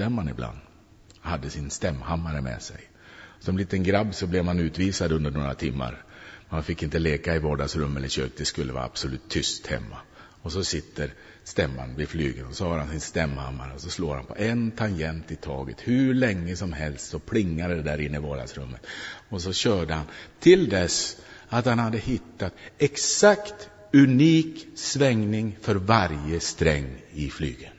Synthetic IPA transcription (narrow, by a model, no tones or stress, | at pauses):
t̪ɛmːanɪbla̰nd̪ | had̪ːəsɪnst̪ɛmːhamːaɾəmɛ̰sɛ̰j | sɔmliːt̪ənɡɾabːsɔblɛvmanʉ̟ːt̪viːsad̪ɵnd̪əɳoːɾat̪ʰɪmːa̰ɾmanfɪkːɪnt̪əleːkaɪvɑːɖaɡsɾɵmːɛlːəɾɕøːk̚d̪ɛskɵlːəva̰ːɾa̰b̥sɔlʉ̟ːt̪ʰːʏst̪hɛ̰mːa̰ | ɔsɔsɪt̪ʰːəɾ | st̪ɛmːa̰nvɪflyːɡənɔsɔhɑːɾhansɪnst̪ɛmːha̰mːaɾəɔsɔsloːɾha̰npʰɔ̰ʔɛnt̪ʰaŋjɛnt̪ɪt̪ʰɑːɡə̰t̪hʉɭɛŋːəsɔmɦɛlst̪sɔpʰɽɪŋːad̪əd̪ɛd̪æɾɪnːəɪvɑːd̪a̰d̪sɾɵmːət̪ɔsɔɕœːɖəhant̪ʰɪld̪ɛsat̪hanhad̪ːəhɪt̪ːat̪ɛksakt̪ | ʉniːksvɛŋnɪŋfœɾvaɾjəst̪ɾɛŋːɪfly̰ːɡən